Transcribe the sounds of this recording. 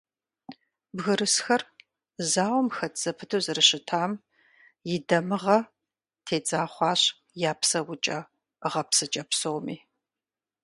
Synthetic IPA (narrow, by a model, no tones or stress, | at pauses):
bɣɨɾɨsxɐr | zaːwɔmxɐtʰz̥ɐpʰɨtʰuzɨrɨɕɪtʰaːm | jɪdɐmɨʁɐ | tʰeːd͡zaːχʷɑːɕ | jaːpsɐwʊt͡ʃʼɐ | ʁɐpsɨt͡ʃʼɐpsowmiː